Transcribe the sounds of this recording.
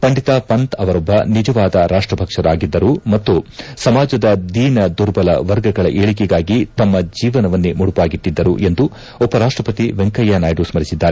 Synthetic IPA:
pɐɳɖit̪apɐnt̪ɐʋɐɾɐbʱɐnid͡ʒɐʋaːd̪ɐɾaːʂʈɾɐbʱɐkʂɐɾaːɡid̪ːɐɾumɐt̪ːusɐmaːd͡ʒɐd̪ɐd̪iːnɐd̪uɾbɐlɐ̰ʋɐɾɡɐɡɐɭɐʔeːɭik̬ɛɡaːɡit̪ɐmːɐd͡ʒiːʋɐnɐʋɐnːemuɽupaːɡit̪ːid̪ːɐɾṵʔe̞nd̪u | ɔpɐɾaːʂʈɾɐpɐt̪iʋeŋkɐjːanɐjɖusmɐɾisid̪ːaːɾe

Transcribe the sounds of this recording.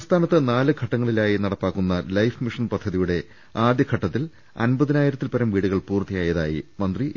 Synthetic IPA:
st̪ʰaːnɐt̪ːɨnaːlɨɡʱɐʈːɐŋːɐɭilaːjinɐɽɐpːaːkːunːɐlɐjfmiʂɐnpɐd̪ʱːɐðijuɽe̞ | aːd̪jɐɡʰʱɐʈːɐt̪ːil | ɐ̰nbɐðinaːjiɾɐt̪ːilpɐɾɐmʋiːɽuɣɐɭpuːrt̪ːijaːjɐðaːjimɐnd̪ri

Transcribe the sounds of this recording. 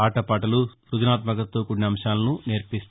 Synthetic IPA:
aːʈɐpaːʈɐlu | ɾud̪inaːt̪mɐkɐt̪ːoːkuɳːiɐmʃaːlɐnuneːɾpist̪

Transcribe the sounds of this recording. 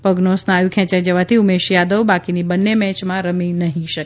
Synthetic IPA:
pəɡnosnajũkʰɛ̃t͡ʃad͡ʒəʋat̪ʰiumeʃjad̪əʋbakinibənːemɛ̃t͡ʃmãɾəminəɦĩʃəke

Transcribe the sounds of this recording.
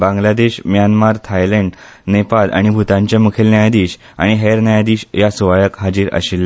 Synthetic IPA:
bãŋɡlad̪eɕmjanmaɾt̪ʰajləɳɖnepalʔa̰ɽ̃ibʱut̪ãɲt͡ɕjamukʰelnajad̪iːɕ | a̰ɽ̃iɦeɾnajad̪iːɕjasuʋajəkɦad͡ʑiːɾə̰ɕilːa

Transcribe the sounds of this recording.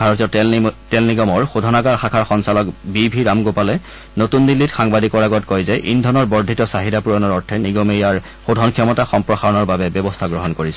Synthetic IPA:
bʱaɹɔtijɔtɛlniɡɔmɔɹxodʱɔnaɡaɹxakʰaɹxɔnsalɔkbibʱiɹamɡopalɛ | notunːilːitxaŋbadikɔɹaɡɔtkɔjzɛʔindʱɔnɔɹbɔɹdʱitɔsaɦidapuɹɔnɔɹɔɹtʰɛniɡɔmejaɹ | xodʱɔnkʰijɔmɔtaxɔmpɹɔxaɹɔnɔɹbabɛbɔbɔstʰaɡɹɔɦɔnkoɹisɛ

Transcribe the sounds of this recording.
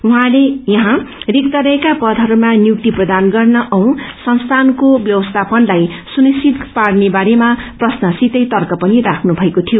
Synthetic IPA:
uɦãlejʌɦãrik̚t̪ʌɾʌekapʌd̪ʱɦʌɾumanjuk̚t̪iprʌd̪anɡʌrnʌʔʌw̃sʌnst̪ʰankobjʌwʌst̪ʰapʌnlajsunisit̪paɽnebaɾemaprʌsnʌsit̪ʌjt̪ʌrkʌpʌnirakʰnubʱʌekot̪ʰijo

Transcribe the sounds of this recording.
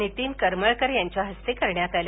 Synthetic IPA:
nit̪iːmkəɾməɭkəɾjaɲt͡ɕjaɦəst̪ekəɾɳjat̪alja

